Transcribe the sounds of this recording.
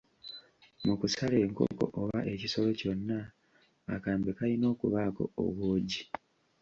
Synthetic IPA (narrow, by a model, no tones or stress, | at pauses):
mukusale̞ːŋko̰ko̞̰ʔoβaʔe̞ciso̞lo̞co̞nːaː | kaːmbekalino̞ːkuβaːko̞̰o̰ββoːɟi